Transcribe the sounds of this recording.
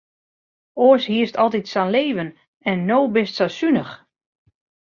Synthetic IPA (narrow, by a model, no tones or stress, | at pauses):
oəshiəstɔlˠtitsanleːvən | ɛnːoːbɪstsasynəx